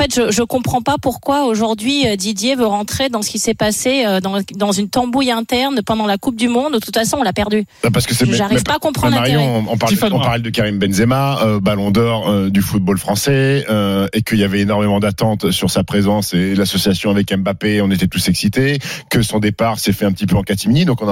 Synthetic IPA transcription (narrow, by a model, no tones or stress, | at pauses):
ɑ̃fɛt̪ʒəʒəkɔ̃pχɑ̃papuʁkwaoʒuʁd̪ɥiød̪id̪jevøʁɑ̃t̪χed̪ɑ̃sə̥kʲisɛpaseød̪ɑ̃d̪ɑ̃zynt̪ɑ̃bujɛ̃t̪ɛʁnpɑ̃d̪ɑ̃lakup̚d̪ymɔ̃d̪ut̪u̥t̪fasɔ̃ɔ̃lapɛʁd̪y | apaʁsəkəsɛʒaʁivpaakɔ̃pχɑ̃laʁɔ̃ɔ̃paʁlɔ̃paʁlɛd̪əkaʁimbɛnzemaøbalɔ̃d̪ɔʁød̪yfut̪̚bolfχɑ̃sɛøekəiljavɛenɔʁmemɑ̃d̪at̪ɑ̃t̪syʁsapχezɑ̃selasɔsjasjɔ̃avɛkɛmbapeɔ̃net̪ɛt̪usɛksit̪ekəsɔ̃d̪epaʁsɛfɛɛ̃pət̪ipøɑ̃kat̪iminid̪ɔ̃kɔ̃n